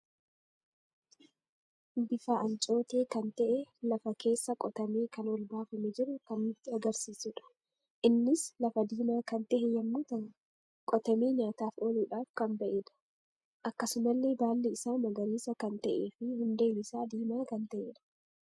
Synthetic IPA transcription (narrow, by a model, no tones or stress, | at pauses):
bɪfaːɐnt͡ʃʼo̞ːt̪e̞ːkɐnt̪ɐʔɛlɐfɐke̞ːsːɐkʼɔt̪ɐmeːkɐnwɔlbaːfɐmɛd͡ʒɪɾʊkɐnːɪt̪ːɪɐɡɐɾsiːsʊᶑɐ̥ | ʔɪnːɪslɐfɐd̪iːmaːkɐnt̪ɛʔɛjɐmːuːt̪ɐn | kʼɔt̪ɐmeːɲaːt̪aːfoːluːᶑaːfkɐnbɐʔeːᶑɐ̥ | ʔɐkːɐsʊmɐlːe̞ːbaːlːeɪsaːmɐɡɐɾiːsɐkɐnt̪ɐʔeːfɪhʊnd̪eːmɪsaːd̪iːmaːkɐnt̪ɐʔeːᶑɐ̥